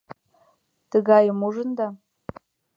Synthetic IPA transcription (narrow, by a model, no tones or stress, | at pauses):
d̥ɨɡajɪmuʐɨnda